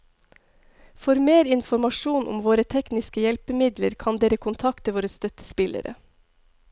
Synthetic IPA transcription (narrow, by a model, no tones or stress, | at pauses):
fɔɾmeːɾɪnfɔɾmɑʃuːnʔʊ̰mʋoːɾət̪ʰɛknɪskəjɛlpəmɪd̪lə̰ɾkʰɑnd̪eːɾəkʰʊnt̪ʰɑkt̪ʰəʋoːɾəst̪œt̪ə̥spɪlʔə̰ɾə̰